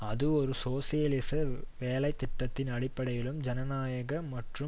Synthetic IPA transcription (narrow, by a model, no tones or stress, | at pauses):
ɐðɯɔɾɯsoːsɪjɐlɪsɐʋeːlɐɪt̪ːɪʈːɐt̪ːɪnɐɽɪpːɐɽɐjɪlɯmd͡ʒɐnɐnaːjɐɣɐmɐʈrɯ